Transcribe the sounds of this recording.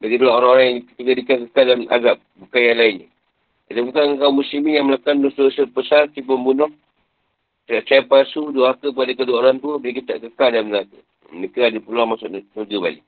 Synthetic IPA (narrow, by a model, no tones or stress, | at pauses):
badik̪ulaoɾaŋoɾaŋjakə̥t̪iɡadikank̬əkadnʔa̰ɡap̚bukajalainə̰ | adəbukankaumusimijaŋməlakanustəsəpəsart̪ipəmbunɔh | t̪əɾaʔt͡ʃapasuduakəp̬adakəduaoɾaŋt̪ubkit̪a̰ʔkəkaldalmnaakə̰ | ənikəadəpəluaŋmasʊʔnuɡəba̰lḭʔ